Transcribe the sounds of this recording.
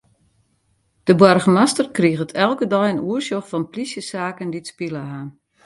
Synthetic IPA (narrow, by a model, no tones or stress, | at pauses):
d̥əbwɔrɣəmastərkriəɣətʰɛlˠkədɔjənuərsjoxfɔnplisjəsaːkənditspiləɦaːn